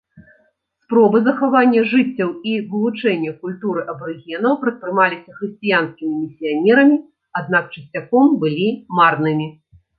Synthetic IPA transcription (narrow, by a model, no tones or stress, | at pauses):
spɾɔbɨzɐxavanʲːɐʐɨt͡sʲːɐwivɨlˠut͡ʂɛnʲːɐkulʲt̪uɾɨʔɐbɾɨɣʲɛnɐwpɾɐt̪̚pɾɨmalʲisʲɐxɾɨsʲt͡sʲijanskʲimʲimʲisʲijanʲɛɾɐmʲi | ad̪̚nak̚t͡ʂɨsʲt͡sʲakɔmbɨlʲimarnɨmʲi